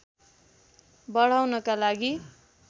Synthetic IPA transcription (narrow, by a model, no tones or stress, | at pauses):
bʌɽ̤awnʌkalaɡi